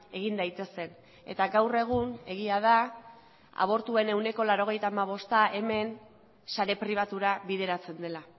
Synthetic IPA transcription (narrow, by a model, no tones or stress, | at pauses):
e̞ɣind̪ajt̪e̞se̞n | e̞̰t̪aɡawre̞ɣ̞une̞ɣ̞iað̞a | a̰β̞o̞ɾt̪ue̞ne̞wne̞ko̞laɾo̞ɣ̞e̞jt̪aːmaβ̞o̞st̪aʔe̞me̞n | saɾe̞pɾiβ̞at̪uɾaβiðe̞ɾat͡se̞nd̪e̞la